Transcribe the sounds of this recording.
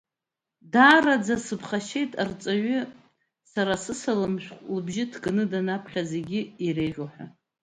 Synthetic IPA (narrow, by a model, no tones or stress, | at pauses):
daːrad͡zasɨpʰχaʃe̞jtʼart͡sʼaɥʏ | saɾasɨsalɨmʃʷᶣqʷʼlɨbʒɪtʰɡnɨdanapʰχʲaze̞ɡʲɪiɾejʁʲoħʷᶣa